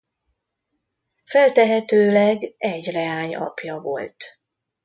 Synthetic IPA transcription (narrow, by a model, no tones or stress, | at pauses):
fɛlt̪ɛɦɛt̪øːlɛɡɛɟrɛaːɲɒ̰pjɒvo̞̰lt̪